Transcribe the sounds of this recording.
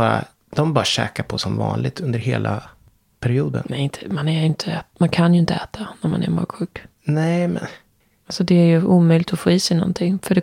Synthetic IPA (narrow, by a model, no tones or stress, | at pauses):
ɑɾa̰ | d̪̥ɔmbɑːɾaɕɛ̰ːkaɾpʰɔsɔmvɑ̰ːnlɪɡ̚t̪ɵnd̪əɾɦeːlʔa | pʰæɾɪuːd̪ə̰nnɛɪnt̪ʰə̥manæɾɪnt̪ʰəɛːt̪mankʰanjɵɪnt̪əɛːt̪ʰanæɾma̰næ̰ɾmɑ̰ːɡɧʉ̟ːk | nɛɪmɛn | alsɔd̪ɛæɾjɵʔuːmœjlɪkt̪ɔfoːiːsɛjnɔ̰nt̪ʰɪŋːfœɖɛ